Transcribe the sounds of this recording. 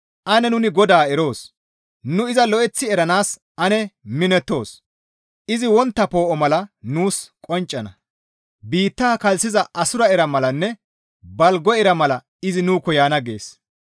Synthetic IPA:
ʔɐnɛnʊnɪɡɔd̪aːɛɾo̞ːs | nʊɪzɐlɔʔɛt͡sːɪɛɾɐnaːs | ʔɐnɛmɪnɛt̪ːo̞ːs | ʔɪzɪwɔnt̪ːɐpo̞ːʔɔmɐlɐnuːskʼɔnt͡ʃʼːɐnɐ̰ | biːt̪ːaːkɐlsɪzɐʔɐsʊɾɐɛɾɐmɐlɐnːɛ | bɐlɡɔɛɾɐmɐlɐ | ɪzɪnuːkːɔjaːnɐɡḛːs

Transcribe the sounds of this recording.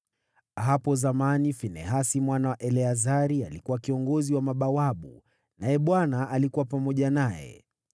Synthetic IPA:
ɦapɔzamanifinɛɦasimwanawaʔɛlɛazaɾialikuwakiɔŋɡɔziwamaɓawaɓṵ | najɛɓwanaːlikuwapamɔʄanajɛ̰

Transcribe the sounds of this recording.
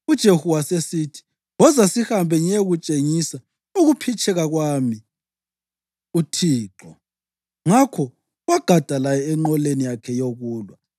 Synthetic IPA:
ud̥ʒ̥ʱehuwasesitʰi̥ | wɔzasihambʱɛɲeɣut͡ʃʼeŋisa | uɣupʰit͡ʃʼɛɣaɣwami | utʰiːǁɔ | ŋakʰɔ | waɡ̥ʱad̥ʱalajɛɛŋ͡ǃɔlenijakʰɛjoɣuːlwa

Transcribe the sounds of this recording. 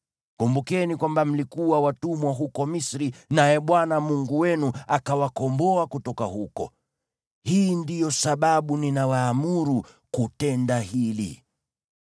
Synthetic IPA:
kumbukɛnikwambam̩likuwawatumwaɦukɔmisɾinajɛɓwanamuŋɡuwɛnuakawakɔmbɔakutɔkaɦukɔ̰ | hiːndijɔsaɓaɓuninawaːmuɾu | kutɛndahilḭ

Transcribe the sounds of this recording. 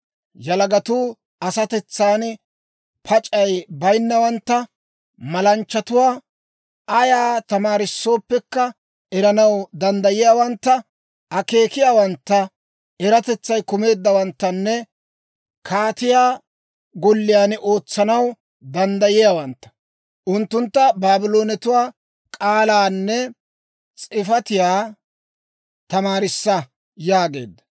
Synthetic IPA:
jɐlɐɡɐt̪uː | ɐsɐt̪ɛt͡sːaːn | pʰɐt͡ʃʼɐjbɐjnːɐwɐnt̪ːɐ | mɐlɐnt͡ʃːɐt̪ʊwaː | ɐjaːt̪ɐmaːɾɪsːo̞ːpːɛkːɐ | ɛɾɐnɐwd̪ɐnd̪ɐjɪjaːwɐnt̪ːɐ | ɐke̞ːkɪjaːwɐnt̪ːɐ | ɛɾɐt̪ɛt͡sːɐjkʊme̞ːd̪ːɐwɐnt̪ːɐnːɛ | kʰaːt̪ɪjaː | ɡɔlːɪjaːnʔo̞ːt͡sːɐnɐw | d̪ɐnd̪ɐjɪjaːwɐnt̪ːɐ̥ | ʔʊnt̪ːʊnt̪ːɐbaːbɪlo̞ːnɛt̪ʊwaː | kʼaːlaːnːɛ | t͡sʼɪfɐt̪ɪjaː | t̪ɐmaːɾɪsːɐ | jaːɡe̞ːd̪ːɐ̥

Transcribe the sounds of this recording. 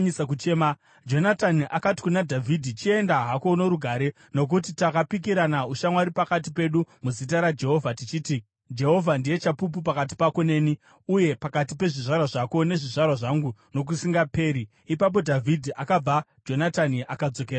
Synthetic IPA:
ɲisakut͡ʃeːma | d͡ʒo̞nataniʔakati̥kunadʱavʱidʱit͡ʃie̞ndaɦako̞no̞ɾuɡʱaːɾe̞ | no̞k̬ut̬itakapikiɾanauʃamwaɾipakat̬ipe̞ɗumuzit̬aɾad͡ʒe̞ɦo̞vʱatit͡ʃiːti | d͡ʒe̞ɦo̞vʱandije̞t͡ʃapup̬upakat̬i̥pako̞ne̞ːni | uje̞pakat̬ipe̞ʐiʐarwaʐako̞ne̞ʐiʐarwaʐaŋɡuno̞k̬usiŋɡape̞ːɾi | ipap̬o̞dʱavʱidʱiʔakab͡vad͡ʒo̞nataniʔakad͡zo̞k̬eɾa

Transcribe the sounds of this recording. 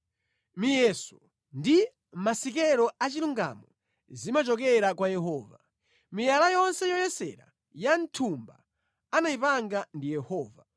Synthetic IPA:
mijɛsɔ | ndi | masikɛɾɔat͡ʃiluŋɡa̰mɔ | zimat͡ʃɔkɛɾakwajɛɦɔːva | mijalajɔnsɛjɔjɛsɛ̰ɾa̰ | jantʰumba̰ | anaipaŋɡandijɛhɔːva

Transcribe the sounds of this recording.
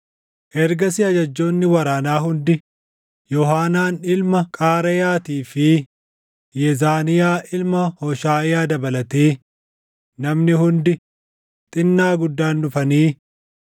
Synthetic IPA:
ʔɛɾɡɐsɪɐd͡ʒɐd͡ʒːo̞ːnːɪwɐɾaːnaːɦʊnd̪ɪ | jɔhaːnaːnɪlmɐkʼaːɾɛjaːt̪iːfɪ | jɛzaːnɪjaːʔɪlmɐhɔʃaːɪjaːd̪ɐbɐlɐt̪eː | nɐmnɪhʊnd̪ɪ | t̪ʼɪnːaːɡʊd̪ːaːnːʊfɐniː

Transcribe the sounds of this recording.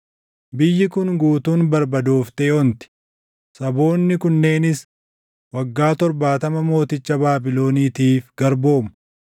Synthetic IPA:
bɪjːɪkʊnɡuːt̪uːnbɐɾbɐd̪oːft̪ɛːɔnt̪ɪ̥ | sɐbo̞ːnːɪkʊnːe̞ːnɪs | wɐɡːaːt̪ɔɾbaːt̪ɐmɐmo̞ːt̪ɪt͡ʃːɐbaːbɪlo̞ːniːt̪iːfɡ̥ɐɾbo̞ːmʊ

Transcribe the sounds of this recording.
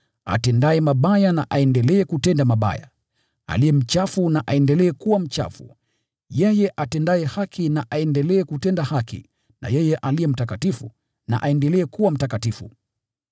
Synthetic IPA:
a̰tɛndaɛmaɓajana̰ʔaɛndɛlɛːkutɛndamaɓa̰ja̰ | a̰lijɛm̩t͡ʃafunaʔaɛndɛlɛːkuwam̩t͡ʃa̰fṵ | jɛjɛʔatɛndaɛhakʰinaʔaɛndɛlɛːkutɛndahakḭ | na̰jɛjɛʔalijɛm̩takatifṵ | na̰ʔaɛndɛlɛːkuwam̩takatifṵ

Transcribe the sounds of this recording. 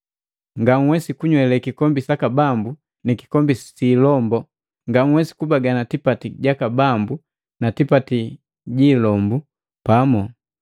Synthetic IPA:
ŋɡaŋwɛsikuɲwɛlɛkikɔmbisakabambu | niki̥kɔmbisilɔmbɔ | ŋɡaŋwɛsi̥kubaɡanatipatiɟakabambu | natipati | ɟiːlɔmbu | pamɔ

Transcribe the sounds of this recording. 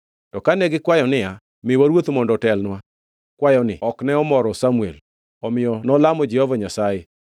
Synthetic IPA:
tɔkanɛɡɪkwajɔnɪa | mɪwaɾwot̪mɔndɔtɛlnwa | kwajɔnɪ̰ɔknɛɔmɔɾɔsamuḛl | ɔmɪjɔnɔlamɔd͡ʒɛhɔvaɲasae

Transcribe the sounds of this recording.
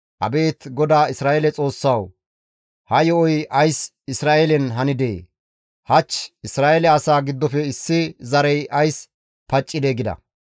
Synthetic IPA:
ʔɐ̰be̞ːt̪ɡɔd̪aːɪsɾaːelɛt͡sʼo̞ːsːɐw | hɐjɔɔjɐjs | ɪsɾaːʔelɛnɦɐnɪd̪ḛː | hɐt͡ʃːɪsɾaːʔelɛɐsaːɡɪd̪ːɔfɛɪsːɪzɐɾɛjʔɐjs | pɐt͡ʃʼːɪd̪eːɡɪd̪ɐ̰

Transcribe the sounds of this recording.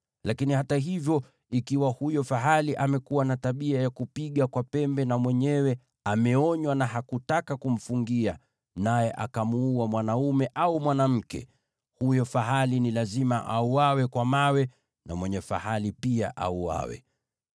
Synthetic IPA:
lakinihataɦivjɔ | ikiwahujɔfaɦaliʔamɛkuwanataɓiajakupiɠakwapɛmbɛnamwɛɲɛwɛ | amɛɔɲwanaɦakutakakum̩fuŋɡia | najɛʔakamuuamwanaumɛʔaumwanam̩kɛ̰ | hujɔfaɦalinilazimaʔauawɛkwamawɛ | na̰mwɛɲɛfa̰halipia̰ʔa̰ua̰wɛ̰

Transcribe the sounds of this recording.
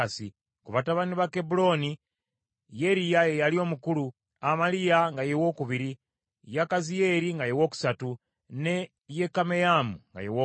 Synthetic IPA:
asi | kuβataβaniβake̞bulo̞ni | je̞ɾijajejalio̞ːmukulu | amalijaŋɡajewo̞ːkuβiɾi | jakazije̞ɾiŋɡajewo̞ːku̥satu | ne̞ | je̞kame̞jamuŋɡa̰jewo

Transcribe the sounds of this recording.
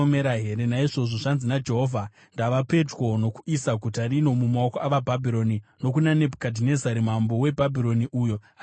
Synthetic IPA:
meɾaɦe̞ɾenaiʐo̞ʐo̞ʐanzinad͡ʒe̞ɦovʱa | ndaʋape̞two̞no̞ku̥isaɡʱutarino̞mumaokoaʋabʱabʱiɾo̞nino̞k̬unane̞bʱukadʱine̞zaɾimambo̞we̞bʱabʱiɾo̞niʔuːjo̞ | a

